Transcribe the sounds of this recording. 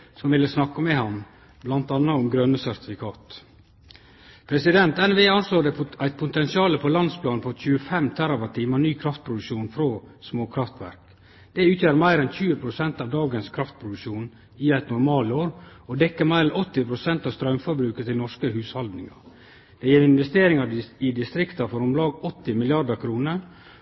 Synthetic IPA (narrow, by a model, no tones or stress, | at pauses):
sɔmʋɪlːəsnɑkːəmɛhɑn | blɑnt̪ɑnːɑɔmɡɾœnəsæɾt̪ɪ̥fɪkʰɑːt̪ | pʰɾɛsɪd̪ɛnt̪ɛnʋeːɑnsloːɾɖ̪ɛæɪt̪̚pʰʊt̪ɛnsɪɑːləpʰɔlɑnd̪spʰlɑːnpʰɔc͡çʉəfɛmt̪ʰæɾɑʋɑt̪ʰiːməɳyːkʰɾɑft̪pʰɾʊd̪ʉʂuːnfɾo | smoːkʰɾɑft̪ʋæ̰ɾk | d̪̥ɛʉːt̪jøːɾmæɪɾɛnçʉːəpʰɾʊsɛnt̪ɑːʋd̪ɑːɡənskʰɾɑft̪̚pʰɾʊd̪ʉkʃuːn | ɪæɪt̪nʊɾmɑːloːɾ | ɔd̪ɛkːəmæɪɾɛnɔt̪ːɪpʰɾʊsɛnt̪ɑːʋst̪ɾœmfɔɾbɾʉːkət̪ɪlnɔʂkəɦʉːshɑld̪nɪŋɑ̰ɾ | d̪̥ɛjeːɾɪnʋɛst̪eːɾɪŋɑɪd̪ɪst̪ɾɪkt̪ɑfɔɾɔmlɑːɡɔt̪ːɪmɪlɪɑɖəkʰɾuːnə